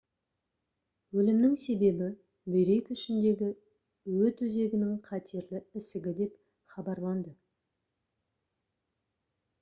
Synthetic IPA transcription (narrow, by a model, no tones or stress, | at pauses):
wɵlɪmnɪŋse̞be̞bɪ | bʏjɾe̞k̪ʏʃɪnd̪e̞ɡʲɪ | wɵt̪wɵze̞ɡʲɪnɪŋqʰɑt̪ʰeɾlɪɪsɪɡʲɪd̪e̞p | χɑbɑɾlˠɑnd̪ə